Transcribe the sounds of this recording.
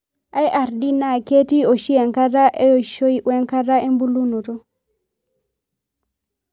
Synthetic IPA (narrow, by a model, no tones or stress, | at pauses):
ʔajʔaɾdinaketiɔʃijɛŋkaɾaʔɛɔʃojiʔwɛŋkaɾaʔɛmbulunɔtɔ